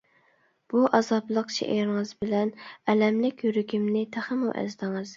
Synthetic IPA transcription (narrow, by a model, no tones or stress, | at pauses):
b̥uʔɑzɑblˠəqʃʰḛʔeɾɪŋɨzbɪlɛnɛlɛmlɪkʲjyɾyɡʲimnɪt̪ʰæχəmṵʔɛ̰zd̪ɪŋɨz̥